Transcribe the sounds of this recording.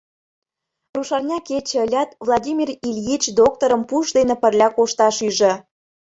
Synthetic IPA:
ruʃɑrnʲɑket͡ɕĕəlʲɑt̪vlˠɑdʲimʲirilʲjit͡ɕd̪ok̚t̪oɾəmpuʃd̪enĕpə̆rlʲɑkoʃt̪ɑʃyʒĕ

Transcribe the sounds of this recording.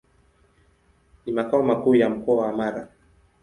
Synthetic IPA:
nimakaɔmakuːjam̩kɔawaːmaɾa̰

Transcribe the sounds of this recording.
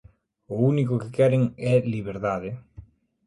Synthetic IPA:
ʊunikʊkɪkɛɾeŋɛliβeɾðaðɪ

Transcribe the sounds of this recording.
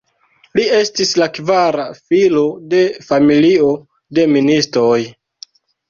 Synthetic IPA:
lie̞stislakvaɾafilo̞de̞familio̞ | de̞ministɾo̞j

